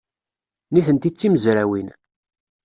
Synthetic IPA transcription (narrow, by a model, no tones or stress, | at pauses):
niθənt̪it͡sːiməzɾæwin